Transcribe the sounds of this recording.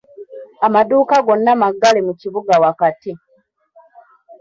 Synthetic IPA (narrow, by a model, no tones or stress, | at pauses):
amaduːkaɡo̞nːamaɡːalemuciβuɡawakati